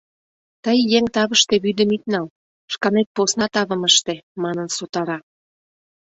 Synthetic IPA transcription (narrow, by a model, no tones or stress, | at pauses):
t̪əjːeŋt̪ɑβəʃt̪eβyd̪ə̆mit̪̚nɑl | ʃkɑnet̪̚posnɑt̪ɑβə̆məʃt̪emɑnənsot̪ɑɾɑ